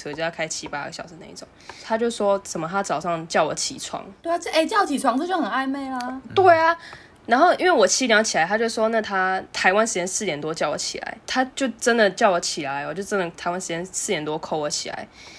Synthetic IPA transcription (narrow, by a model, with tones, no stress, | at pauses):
ɤ˧˩t͡ɕjo˥˧ja˥˩kʰa˥ɪt͡ɕʰi˦pa˦˥ɡə̰˨˩ɕjɑ˨˩ʊʂ̩˧˥na˥˧ḭ˥˩ʈ͡ʂo˨˩˦ŋt̪ʰa˥˦t͡ɕjo˥˧ʊ˩ʂwɔ˦˥ʂə˨˩mə˦t̪ʰa˥t͡sɑ˨˩ʊʂɑ˥˩ŋt͡ɕjɑ˥˩ʊwɔ̰˨˦t͡ɕʰḭ˨˩t͡sʰwɑ̰˧˦ŋt̪we˥˩˥e˥˩ɪt͡ɕjɑ˥˩ʊ˧t͡ɕʰi˨˩t͡sʰwɑ˥ŋt͡sɨ˥˧t͡ɕjxə˨˩a˥˧ɪme˥˩ɪlə˧˩t̪we˥˩ɪa˩ | na˧˦˥nxo˥˩ʊʔi˦˥nwe˥˩wɔ˨˩t͡ɕʰi˧˥ljɑ˧˥ŋt͡ɕʰi˨˩la˨˦ɪa˥t͡ɕjo˥˧ʊ˩ʂwɔ˥na˥˩t̪ʰa˥t̪ʰa˧ɪwa˥nʂɻ̩˧˩t͡ɕjɛ˥nsɹ̩˥˩t̪jɛ˨˩nt̪wɔ˥t͡ɕjɑ˥˩ʊɔ̰˨˦t͡ɕʰḭ˨˩la̰˧˦ɪt̪ʰa˥t͡ɕjo˥˩ʊʈ͡ʂə˦nd̪ə˨t͡ɕjɑ˥˩ʊwɔ˧˦t͡ɕʰi˨˩la˦ɪɔ˨˩t͡ɕjo˥˩ʊʈ͡ʂə˦nd̪ə˨˩t̪ʰa˧˥ɪwa˥nʂɻ̩˧t͡ɕjɛ˥nsɹ̩˥˩t̪jɛ˨˩nt̪wɔ˦˥kʰo˥˩ʊə˧˦t͡ɕʰi˨˩la̰˧˦ɪ